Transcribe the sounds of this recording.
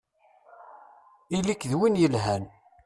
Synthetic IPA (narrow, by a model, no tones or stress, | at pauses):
ilikðwinjəlɦæn